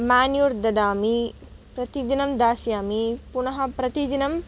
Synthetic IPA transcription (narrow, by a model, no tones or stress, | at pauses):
maːnjuːɾd̪ɐd̪aːmi | pɾɐt̪id̪inɐmd̪aːsjaːmipunɐɦɐpɾɐt̪id̪inɐm